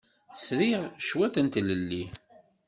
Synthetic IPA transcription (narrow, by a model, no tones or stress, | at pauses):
sɾiʁʃwæθənt̪ləlːi